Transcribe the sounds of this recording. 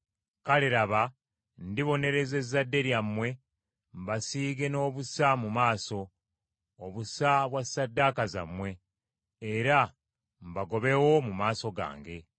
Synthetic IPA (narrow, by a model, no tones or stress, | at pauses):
kaleɾaβa | ndiβo̞ne̞ɾe̞ze̞zːadːe̞ɾjamwe̞ | mbasiːɡe̞no̞ːβusamumaːso̞ː | βusaβwasːadːaːkaza̰mwe̞ː | ɾa | mbaɡo̞βe̞wo̞mumaːso̞ɡa̰ːŋɡe̞